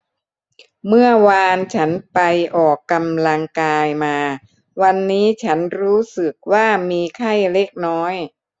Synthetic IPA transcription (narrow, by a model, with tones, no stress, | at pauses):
mɯ˥˩ɐwaː˧nt͡ɕʰa˦˥npa˧jʔɔː˨˩kːa˧mla˧ŋkaː˧jmaː˧ | wa˧nːiː˦˥t͡ɕʰa˦˥nɾuː˦˥sɯ˨˩k̚waː˥˩miː˧kʰa˥˩jle˦˥˩k̚nɔː˦˥j